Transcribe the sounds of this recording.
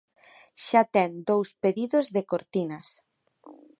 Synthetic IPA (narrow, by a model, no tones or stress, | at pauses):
ʃat̪ɛnd̪owspeðiðozðekoɾt̪inɐs